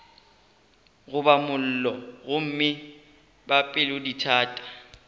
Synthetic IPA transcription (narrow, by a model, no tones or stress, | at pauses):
ɣʊbamʊl̩lɔɣʊm̩mɪ | bapʼɪlʊditʰaːtʼḁ